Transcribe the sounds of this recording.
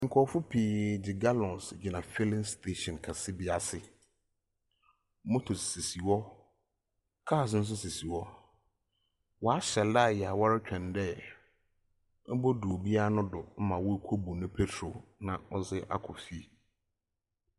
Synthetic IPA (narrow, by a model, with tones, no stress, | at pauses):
ŋ̩˨kʰɔ˨fʊ˦pʰiː˨d͡ʑɪ˨ɡa˦lɔ̃˨nsd͡ʑɪ˨nã˨fɪ˦lɪ̃˦nstʰe˦ɕɔ̃˨nkʰa˨sɪ˦bɪ˨a˨sɪ˨ | mo˦tʰʊ˨sse˨si˨wɔ˦ | kʰa˦˨s̬n̩˦s̬ʊ˦se˨si˨wɔ˦ | wɔ˨a˦ɕɛ˨la˦˨jɛ˨a˨wa˦ɾɪ˦t͡ɕᶣɛ̃˨ndɛ˦ | bɔ˦dʊ˨o˨bi˦a˦nʊ̃˦dʊ˨m̩˦mã˨wɔ˦kʷʰo˦bu˨nʊ̃˦pʰe˦tʰɾo˨nã˨ɔ˦zɪ˦ʔa̰˦kʰɔ̰˨fi˦˨